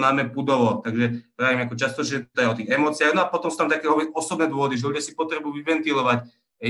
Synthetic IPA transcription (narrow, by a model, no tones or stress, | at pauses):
naːmɛpud̪ɔʋɔt̪aɡʒɛpaimɛakɔt͡ʃast̪ɔʒɛɛt̪t̪ɔɛɔt̪iːɣɛmɔːt͡siɪaɣnɔapɔt̪ɔmsuːt̪amt̪akɛːɔɔsɔbnɛːd̪wɔʋɔd̪iʒɛludɪasipɔt̪ɾɛbujuʋiʋɛnt̪ilɔʋac